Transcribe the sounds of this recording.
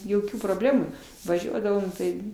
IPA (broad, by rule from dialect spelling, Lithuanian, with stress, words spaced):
joːˈkʲuː proːˈbʲlʲæːmuː ʋɐˈʒʲuɔdɐʋoːm tɐɪ